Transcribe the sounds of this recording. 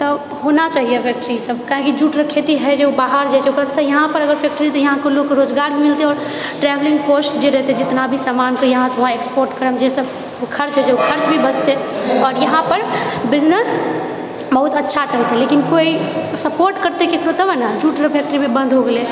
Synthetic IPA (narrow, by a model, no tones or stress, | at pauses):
t̪ɔ | honat͡ʃaɦijebʰʱjekʈɾisəb̚kaɦĩkid͡ʒuʈɾəkʰet̪iɦɛd͡ʒeubaɦəɾd͡ʒat͡ʃeokɾəsə̃jəɦãpəɾəɡəɾfʰɛk̚ʈəɾit̪ɔjəɦãkolokkeɾod͡ʒɡaɾbʱimilt̪eɔːɾ | ʈɾɛbliŋɡposʈd͡ʒeɾəɦt̪eɛd͡ʒɪt̪nabʱisamankejəɦãsɦaekspoɾʈkəɾəmd͡ʒesəb | kʰəɾt͡ʃɦɛd͡ʒeukʰəɾt͡ʃbʱibəd͡ʒt̪eɔːɾjəɦãpəɾbid͡ʒnes | bəɦut̪ətːʃʰat͡ʃəlt̪eɛlekinkoisəpoɾʈkəɾt̪ekekɾot̪əbnəd͡ʒuʈɾəbʰʱjɛk̚ʈɾimebə̃nd̪ʱɦoɡele